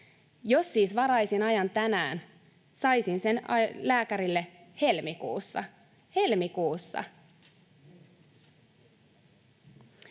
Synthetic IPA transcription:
josːiːsʋɑɾɑjsinɑjɑnt̪ænæːn | sɑjsinse̞nɑlæːkæɾilːe | he̞lmikṵːsːɑ̰ | he̞lmikuːsːɑ̰

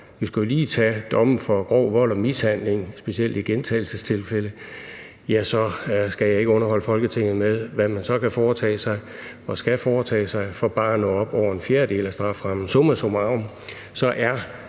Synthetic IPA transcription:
ʋisɡ̥jliːt͡sʰɛd̥ɒ̽mn̩fɒ̽ɡ̥ʁɒ̰ːʋɒ̽l̰ɒmishæn̰le̝ŋsb̥e̝siel̰d̥iɡ̥ent͡sʰɛ̰ːl̩səst͡sʰe̝lfelə | jæsɒ̽sɡ̥æjɑ̈ɪe̝ɡ̥əɔ̽nɐɦɒ̽l̰əfɒ̽lɡ̥ət͡sʰe̝ŋ̰ð̩ˠmeðˠʋæmænsɒ̽kʰæfɒːt͡sʰɛ̰ːsɑ̈ɪ | ɒ̽sɡ̥æfɒːt͡sʰɛ̰ːsɑ̈ɪfɒ̽b̥ɑ̈ːnɔ̰̽ːɒ̽b̥ɒʊ̰ɐe̝nfjeːɐd̥e̝̰ːlæsd̥ʁɑ̈fʁɑmn̩sɔmɐsomɑ̈ʊm | sɒ̽ʔæɐ

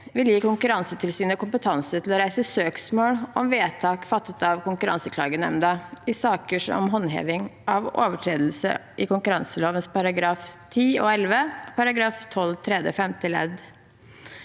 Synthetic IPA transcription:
ʋɪljiːkʰʊŋkʉɾɑnsət̪ʰɪlsyːnəɔkʊmpət̪ʰɑnsət̪ʰɪlɔɾæɪsəsøːksmoːlʔɔmʋeːt̪ʰɑːkfɑt̪ːət̪ɑʋkʊŋkʉɾɑ̰nsəkʰlɑ̰ːɡənɛ̰md̪ɑɪsɑːkəʂɔ̰mɦɔnːɦḛːʋɪŋʔɑʋo̰ːʋəʈʰɾeːd̪l̩sə̰ʔɪkʊŋkʉɾɑnsəloːʋənspɑɾɑɡɾɑːft̪ʰiːoːɛlʋəpʰɑɾɑɡɾɑːft̪ʰɔlt̪ʰɾɛd̪əɔfɛmt̪ʰɪlɛ̰d̪

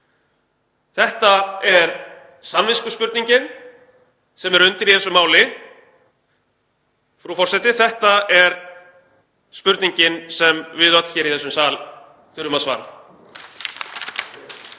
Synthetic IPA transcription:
θɛht̪aɛɾ | sanvɪskʏspʏɾt̪niɲcɪn | sɛmɛɾʏnt̪ɪɾiθɛsʏmaːwlɪ | fɾufɔr̥sɛt̪ɪθɛht̪aɛɾ̥ | spʏɾt̪niɲcɪnsɛmvɪðœt̪çɛːɾiθɛsːʏmsaːl | θɪɾʏmaðsva̰ːɾa̰ð

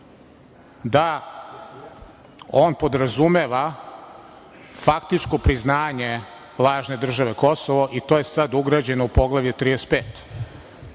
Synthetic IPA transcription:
d̪a | oːnpo̞d̪ɾazumeʋa | fakt̪it͡ʂko̞pɾiznaːɲe | lˠaːʒne̞d̪r̩ʒaʋe̞ko̞soʋoʔit̪oːjesad̪uɡɾad͡ʑe̞noupo̞ɡlˠaʋʎet̪ɾid̪espeːt̪

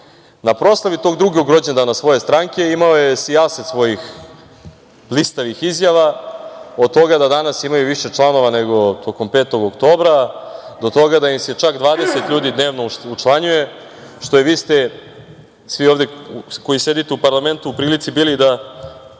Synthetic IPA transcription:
napɾo̞ːslˠaʋit̪o̞ːɡd̪ɾuɡeuɡɾo̞d͡ʑend̪anasʋo̞jest̪ɾaŋke̞imaojesiaset̪sʋo̞jix | blist̪aʋixizjaʋa | od̪̚t̪o̞ɡad̪ad̪anasimajuʋiʃe̞t͡ʂlˠano̞ʋaneɡo̞t̪ʰo̞ko̞mpeːt̪o̞ɡokt̪o̞ːbɾad̪ot̪o̞ɡad̪aimset͡ʃakd̪ʋaːd̪e̞set̪ʎuːd̪id̪ne̞ːʋnout͡ʃlˠaɲuje̞ | ʃt̪o̞jeʋiːst̪e | sʋioʋd̪eko̞jise̞d̪it̪eupaɾlˠame̞nt̪uupɾiːlit̪sibiːlid̪a

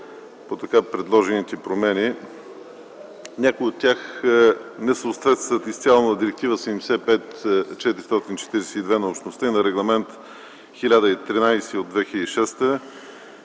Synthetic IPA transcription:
pot̪ɐkapɾɛd̪lˠɔʒɛnit̪ipɾomɛni | nʲakoiot̪ʲːax | nɛsəːt̪vɛt̪st̪vət̪ist̪sʲialˠnət̪əd̪iɾɛk̚t̪ivəsɛmsɛpɛt̪t͡ʃɛt̪iɾist̪ɔt̪int͡ʃɛ̥t̪iɾɛsɛid̪vɛnɐopʃt̪nost̪əinɐɾɛɡlˠɐmɛnt̪ | xilʲad̪əit̪ɾinajsɛod̪vɛxilʲəd̪iʃɛst̪ə

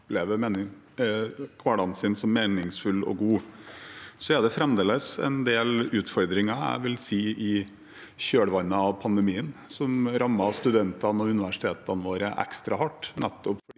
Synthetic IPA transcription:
pleːʋəmeːnɪ | kʰʋɑɽɑnsɪnsɔmːeːnɪŋsfʉlɔ̰ɡuː | sɔæɖ̪ɛfɾɛmd̪eːləsɛ̰nd̪eːlʉːt̪fɔɾd̪ɾɪŋɑæ̰ɪʋɪlsiːɪ | ɕøːɽəʋɑnːəɑʋpʰɑnd̪ɛmiːənsɔmɾɑmːɑst̪ʉd̪ɛnt̪ɑnɔʉnɪʋæʂɪ̥t̪ʰeːt̪ɑnəʋoːɾəʔɛ̰kst̪ɾɑhɑʈːnɛt̪ːɔpfɔɖ

